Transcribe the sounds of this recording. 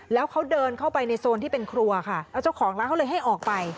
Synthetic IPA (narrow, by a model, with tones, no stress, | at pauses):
lɛː˦˥wkʰa˦˥wdɤː˧nkʰa˥˩wpa˧jna˧jsoː˧nt̪ʰiː˥˩pe˧nkʰɾu˧ɐkʰa˥˩aː˧˩wt͡ɕa˥˩wkʰɔː˩˦ŋla˦˥kʰa˥wlɤː˧jɦa˥˩jʔɔː˨˩k̚pa˧j